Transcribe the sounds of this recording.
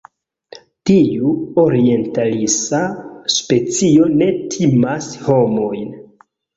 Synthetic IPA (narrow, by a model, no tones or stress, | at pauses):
tiuo̞ɾie̞ntalisaspe̞t͡sio̞ne̞tʰimasho̞mo̞jn